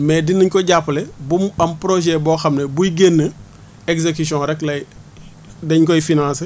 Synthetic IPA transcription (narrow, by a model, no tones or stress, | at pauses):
mɛːdinəɲkɔɟapːlɛbumɐmpɾoʒɛbɔːxɐmnebujɡenːə | ekzekus̬jɔ̃ɾɛklɐ | dɛɲkɔjifinãːns